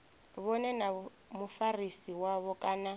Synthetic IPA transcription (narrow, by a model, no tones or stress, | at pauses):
βɔnɛna | mufarisiwaβɔkʼaːna